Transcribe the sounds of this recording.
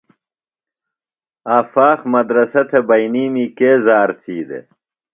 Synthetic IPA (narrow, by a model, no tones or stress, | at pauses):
aːfaːxmɐd̪ɾɐsɐt̪ʰebɐjniːmikeːzaːɾt̪ʰiːd̪ḛ